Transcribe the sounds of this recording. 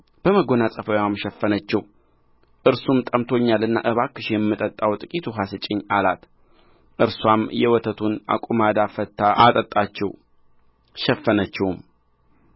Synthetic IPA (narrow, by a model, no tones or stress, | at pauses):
b̥əməɡo̞nasʼəfəwamʃɛfːənət͡ʃːɛw | ʔɨɾsumt̪ʼəmt̪ʰo̞ɲːalɨnːa̰ʔɨβakːɨʃjɛmːɨt̪ʼət̪ʼːawt̪ʼɨkʼit̪ʰuɦasɨt͡ʃʼːɪɲːalat̪ | ʔɨɾswamjɛwɔt̪ʰət̪ʰuna̰kʼumad̪afət̪ʰːaat̪ʼət̪ʼat͡ʃːɛ̰w | ʃɛfːənət͡ʃːɛwm